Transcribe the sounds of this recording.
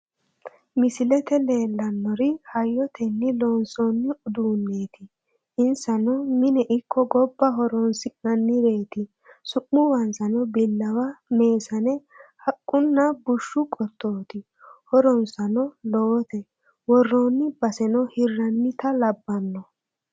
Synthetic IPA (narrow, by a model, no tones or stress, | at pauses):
mɪsɪlɛt̪ɛle̞ːlːɐnːɔɾɪhɐjːɔt̪ʰɛnːɪloːnsɔnːɪʊd̪uːnːeːt̪ɪ | ɪnsɐnɔmɪnɛʔɪkʰːɔɡɔbːɐɦɔɾɔnsɪnɐnːɪɾe̞ːt̪ɪ | sʊʔːʊwɐnsɐnɔbɪlːɐwɐme̞ːsɐnɛ | hɐkʼːʊnːɐbʊʃːʊkʼɔt̪ʰːoːt̪ɪ | hɔɾɔnsɐnɔlɔwɔt̪ɛ | wɔrːoːnːɪbɐsɛnɔhɪrːɐnmɪt̪ɐlɐbːɐnːɔ